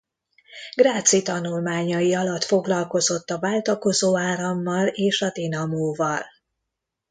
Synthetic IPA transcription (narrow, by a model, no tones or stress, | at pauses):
ɡ̥raːt̪sit̪ɒnulmaːɲɒjiɒlɒt̪fo̞ɡlɒlko̞zo̞t̪ːɒvaːlt̪ɒko̞zoːaːɾɒmːɒleːʃɒd̪inɒmoːvɒl